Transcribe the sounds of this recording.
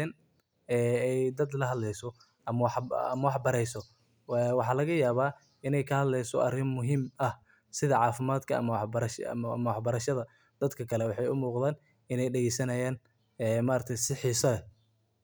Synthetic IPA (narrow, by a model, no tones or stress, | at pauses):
ɛn | ɛːɛjd̪ɐd̪lɐɦɐd̪lɛjsɔ | ɐmwɑħɐ̰mɐwɑħbɐɾɛjsɔ | wɑħɑːlɐɣɐjaːβaː | ɪnɛjkʰɐhɐd̪lɛjsɔ̰ʔɐ̰rɪmːʊɦiːmɐh | sɪðɐʕɑːfɪmaːd̪kʰɐɐ̰mɐwɑħbɐɾɐʃɐ̰mɐwɑħbɐɾɐʃɐðɐ | d̪̥ɐd̪kʰɐkʰɐlɛwɑħɑjʊmuːqðaːn | ɪnɛjɖɛɣɛjsɐnɐjaːn | ɛmaːɾɐt̪ʰɛjsɪħiːsɐɛ